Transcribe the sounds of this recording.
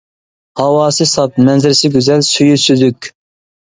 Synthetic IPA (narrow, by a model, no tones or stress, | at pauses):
hɑwɑːsɨsɑp̚mɛnzɪɾɪsɪɡʲyzɛlsøjysyd̪ykʲ